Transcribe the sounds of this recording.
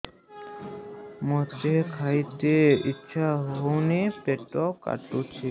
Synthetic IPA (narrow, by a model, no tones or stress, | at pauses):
mɔt̪ekʰajt̪eitːɕʰaɦownipeʈːɔka̰ʈːut͡ɕʰi